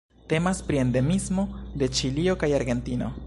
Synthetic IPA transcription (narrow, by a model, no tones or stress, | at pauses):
te̞maspɾie̞nde̞mizmo̞d̪e̞t͡ʃilio̞kajaɾɡe̞ntino̞̰